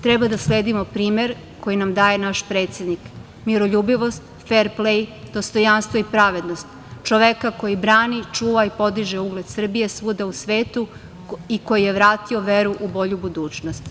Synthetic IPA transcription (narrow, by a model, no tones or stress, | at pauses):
t̪ɾɛbad̪asleːd̪imo̞pɾiːmeɾ | ko̞jinamd̪aːje̞naʃpɾe̞ːt̪sʲe̞d̪nik | miɾo̞ʎuːbiʋo̞st̪ | feɾplejd̪̥ost̪o̞janst̪ʋoipɾaʋe̞d̪nost̪ | t͡ʃoʋekako̞jibɾaːnit͡ʃuːʋaipo̞d̪iʒeuɡled̪sr̩bije̞sʋuːd̪ausʋeːt̪u | iko̞jijeʋɾaːt̪io̞ʋeɾuʔubo̞ʎubud̪uːt͡ʃnost̪